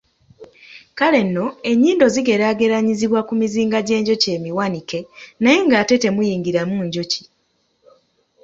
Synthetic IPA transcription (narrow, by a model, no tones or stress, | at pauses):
kale̞nːo̞e̞ɲːiːndo̞ziɡe̞ɾaːɡe̞ɾaɲiziβwakumiziːŋɡaɟe̞ːɲɟo̞ce̞ːmiwanike̞naje̞ŋɡaːte̞te̞mujiːŋɡiɾamuɲɟo̞ci̥